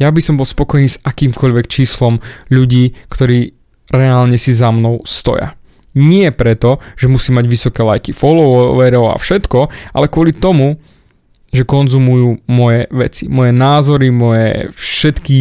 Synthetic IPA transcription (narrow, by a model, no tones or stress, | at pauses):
jabisɔmbɔlˠspɔkɔjniːsakiːmkɔʎʋɛkt͡ʃiːslɔmʎuɟiːkt̪ɔɾiː | ɾɛalɲɛsizamnɔʊst̪ɔ̰ja̰ | ɲɪɛpɾɛt̪ɔʒ̥ɛmusiːmaɟʋisɔkɛlajkifɔlɔʋɛɾɔʊa̰fʃɛt̪kɔʔa̰lɛkʊɔlit̪ɔmu | ʒɛkɔnzumujuːmɔjɛʋɛt͡simɔjɛnaːzɔɾimɔjɛ̰fʃɛt̪ki